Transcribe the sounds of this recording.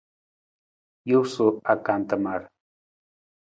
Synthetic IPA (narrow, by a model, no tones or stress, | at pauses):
jusʊakant̪amaɾ